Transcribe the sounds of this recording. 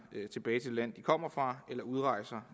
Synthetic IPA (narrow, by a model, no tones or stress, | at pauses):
t͡sʰe̝b̥ɛːɪt͡sʰe̝lːæn̰d̥ikʰɒ̽m̰ɐfʁɑ̈elɐuð̞ˠʁɑ̈ɪ̰sɐ